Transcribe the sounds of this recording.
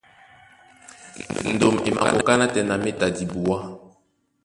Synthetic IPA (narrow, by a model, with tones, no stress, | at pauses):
n̩˨do˨mḛ˨ma̰˨ko̰˨ka˦na˦tɛ˨na˨me˦ta˨di˨bu˨wa˦